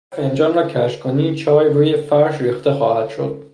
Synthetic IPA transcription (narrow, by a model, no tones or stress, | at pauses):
fend͡ʒɒːnrɒːcʰæʃkʰoniːmt͡ʃʰɒːjɾuːjefæɾʃriːxt̪e̞xɒːhæd̪̥ʃo̞̰d̪̥̚